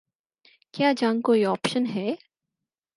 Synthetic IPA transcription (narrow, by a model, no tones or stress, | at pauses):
kjaːd͡ʒãːŋɡkoːiɔːpʃənɦɛː